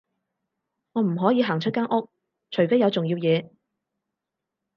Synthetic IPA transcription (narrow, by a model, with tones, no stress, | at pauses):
ŋɔː˨˧m̩˨˩ɦɔː˨˥jiː˨˧ɦaː˨˩ŋt͡ʃʰɵ˥t̚kaː˥nʔʊ˥k̚ | t͡ʃʰɵ˨˩ɥfe˨˥jɐ˨˧wt͡sʊ˨ŋjiː˧wjɛː˨˧